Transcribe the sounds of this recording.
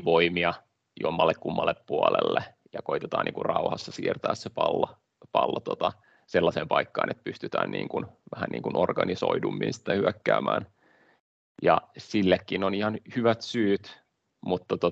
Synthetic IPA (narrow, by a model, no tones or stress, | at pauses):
ʋoimiɑ | juomːɑlːekkumːɑlːeppuɑlḛlːe | jɑkoit̪et̪ɑːnʔḭːŋkurrɑuhɑsːɑsiːrt̪æːssepɑlːo | pɑlːot̪ot̪ɑ | selːɑseːmpɑikːɑ̰ːnʔet̪̚pyst̪yt̪æ̰ːnnḭːŋkunʋæhænʔḭːŋkunʔorɡ̥ɑniso̰idumːḭnsi̥t̪ːehyækːæːmæːn | jɑsilːekːinonihɑnhyʋæt̪syːt̪ | mut̪ːɑt̪o